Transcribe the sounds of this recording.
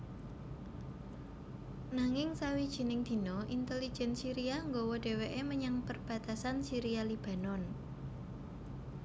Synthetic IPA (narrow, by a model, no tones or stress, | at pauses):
naŋɪŋsawid̥ʒ̥i̤nɪŋd̪̥i̤nɔʔint̪elid̥ʒ̥ɛnsiɾiaŋɡowɔɖ̥e̤weʔeməɲaŋpərb̥a̤t̪asansiɾialib̥a̤nɔn